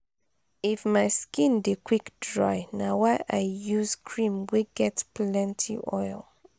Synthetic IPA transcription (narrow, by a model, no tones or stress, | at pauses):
ifmaɪskĩndekʰwikdɹaɪnawaɪʔajjuzkʰɹĩmweɡɛtplɛ̃ntʰḭʔɔ̰ɪl